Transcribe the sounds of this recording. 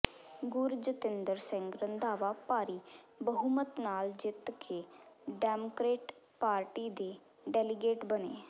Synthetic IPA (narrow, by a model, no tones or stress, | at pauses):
ɡʊɾd͡ʒət̪ɪnd̪əɾsɛ̃ŋɡɾənd̪aːʋapaːɾiː | bəɦumət̪naːld͡ʒɪt̪kʰeɖɛːmokɾeːʈ | paːɾʈiːd̪eː | ɖɛːlɪɡeːʈbənḛː